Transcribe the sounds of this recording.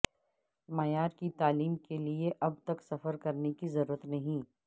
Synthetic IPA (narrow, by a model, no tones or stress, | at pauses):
mɐjaːɾkit̪aːliːmkelieʔɐb̚t̪ɐksɐfəɾkɐɾnekizɐɾuːɾət̪nɐɦĩː